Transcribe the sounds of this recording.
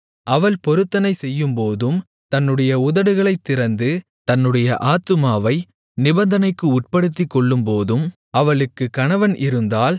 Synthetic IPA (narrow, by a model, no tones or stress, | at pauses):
ʔɐʋɐɭpɔɾɯt̪ːɐnɐɪsɛjːɯmpoːðɯm | t̪ɐnːɯɽɐjɐʊðɐɽɯɣɐɭɐɪt̪ːɪɾɐnd̪ɯ | t̪ɐnːɯɽɐjɐʔaːt̪ːɯmaːʋɐɪ | nɪbɐnd̪ɐnɐɪkːɯʊʈ̚pɐɽɯt̪ːɪkːɔɭːɯmpoːðɯm | ɐʋɐɭɯkːɯkːɐɳɐʋɐnʔɪɾɯnd̪aːl